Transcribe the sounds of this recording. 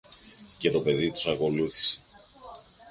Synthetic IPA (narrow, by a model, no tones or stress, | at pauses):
ce̞t̪o̞pe̞ðit̪u̥sɐko̞luθi̥se̥